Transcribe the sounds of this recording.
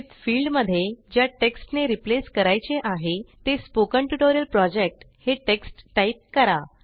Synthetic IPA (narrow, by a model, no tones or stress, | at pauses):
t͡sfilɖməd̪ʱːjed͡ʑjaʈeksʈneɾipleskəɾajt͡seʔaɦet̪espokəɳʈuʈoɾijəlpɾɔd͡ʑek̚ʈ | heʈeksʈːajip̚kəɾa